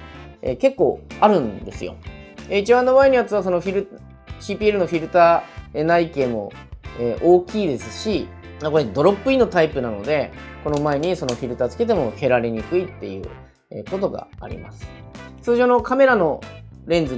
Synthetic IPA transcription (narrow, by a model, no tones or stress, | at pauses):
ḛke̞kːo̞̰ːaɾɯ̟̃nd̪e̞sɨjo̞̰eit͡ɕibãnːomaeinojat͡sɨβaso̞no̞ɸʲiɾɯ | ɕiːpʲiːe̞ɾɯ̟no̞ɸʲiɾɯ̟t̪aːenaike̞ːmo̞ | eʔoːkʲiːd̪e̞sɨ̥ɕi | mako̞ɾed̪o̞ɾo̞pːɯ̟ino̞t̪aipɯnano̞d̪e̞ko̞no̞mae̞ɲ̟iso̞no̞ɸʲiɾɯ̟t̪aːt͡sɨ̥ke̞t̪̬e̞mo̞ke̞ɾaɾeɲ̟ikɯ̟it̪ːe̞jɯ̟̰ː | ḛko̞t̪o̞ɡa̰ːɾʲḭma̰sɨ̥ | t͡sɨːʑo̞ːno̞kame̞ɾano̞ɾẽ̞nd͡zɨ